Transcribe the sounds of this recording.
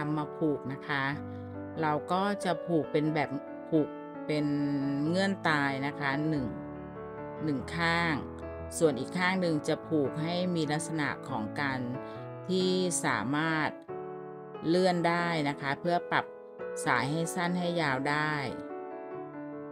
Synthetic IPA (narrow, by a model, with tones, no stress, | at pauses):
a˧mːaː˧pʰuː˨˩k̚na˦˥kʰa˦˥ | ɾa˧wkɔː˥˩t͡ɕa˨˩pʰuː˨˩k̚pe˧nbɛː˨˩p̚ | pʰːuː˨˩k̚ | pe˧nŋɤ˧˥˩ənt̪aː˧jna˦˥kʰa˦˥nɯ˨˩ŋ | nɯ˨˩ŋkʰaː˥˩ŋ | su˨˩ənʔiː˨˩kʰːaː˥˩ŋnɯ˧ŋt͡ɕa˨˩pʰuː˨˩k̚ɦa˥˩jmiː˧la˦˥k̪̚sa˧na̰˨˩ʔkʰɔ̰ː˩˦ŋkaː˧n | t̪ʰiː˥˩saː˩˦maː˥˩t̪̚ | lɯ˥˩əndaː˥˩jna˦˥kʰa˦˥pʰɯ˥˩ɐpa˨˩p̚ | saː˩˦jɦa˥˩jsa˥˩nɦa˥˩jːaː˧wdaː˥˩j